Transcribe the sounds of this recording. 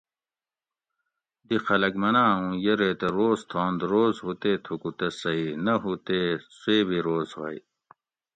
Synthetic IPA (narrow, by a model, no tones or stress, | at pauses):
d̪ixɐlɐɡmɐnaːũːjeɾet̪eɾoːzt̪ʰõːnd̪ɾoːzɦut̪eːt̪ʰukut̪esɐinɐɦut̪esueːbiɾoːzhɐ̰ḭ